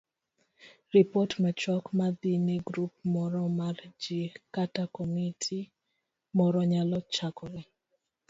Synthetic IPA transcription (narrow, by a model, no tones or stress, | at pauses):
ripotmɛt͡ʃɔkmad̪ineɡɾup̚mɔɾɔmard͡ʒikatakomitʰi | mɔɾɔɲalɔt͡ʃakɔɾɛ